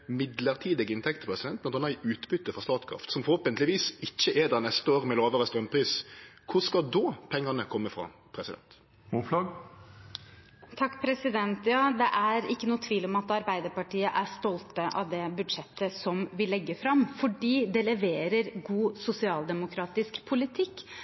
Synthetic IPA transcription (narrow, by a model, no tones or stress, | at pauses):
mɪd̪ləʁt̪ʰiːd̪əɡɪnt̪ʰɛkt̪pʰʁɛsɪd̪ɛnt̪nɑt̪hɑnɑɪʉːt̪bʏt̪ːəfɾɔʁst̪ɑːt̪kʰɾɑ̰ft̪sɔmfɔɾhoːpənt̪lɪʋiːsɪçːəʔeːd̪ɛnɛst̪əoːʁmɛloːʋəʁəst̪ɾœmpʰɾiːskʰʊʁskɑd̪ɔːpʰɛŋːɑnəkʰɔmːəfɾɑ̰pʰɾɛsɪd̪ɛ̰nt̪ | muflɑɡ | t̪ʰɑkːpʰɾɛsɪd̪ɛnt̪jɑːd̪ɛʔæɾɪkːənuːət̪ʰʋiːlɔmɑt̪ɑɾbæɪd̪əɾpɑʈiːəʔæst̪ɔlt̪əʔɑ̰ʋd̪ɛbʉd̪ʂɛt̪ːəsɔmʋɪlɛɡːəfɾɑmfɔɖiːd̪ɛlɛʋeːɾəɾɡuːsʊsɪɑːld̪ɛmʊkʰɾɑːt̪ɪskpʰʊlɪt̪ʰɪkː